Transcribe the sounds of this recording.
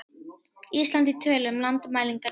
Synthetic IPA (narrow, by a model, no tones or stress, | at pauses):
iːst̪lant̪it̪ʰœːlʏmlant̪maːjliŋka